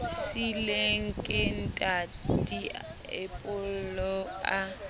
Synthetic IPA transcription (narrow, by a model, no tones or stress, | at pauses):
sileŋ̩kʼɪn̩tʼadʼiḛpʼʊllɔa